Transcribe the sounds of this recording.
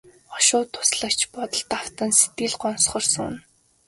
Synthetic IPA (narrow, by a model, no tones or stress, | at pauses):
ɔʃʊːt̪ʰːʊ̥sɮə̆kt͡ɕʰpɔt̪ə̆ɮt̪aw̥t̪ə̆nset̪̚ɡɘ̆ɮɢɔnsχɞ̆rsʊ̰n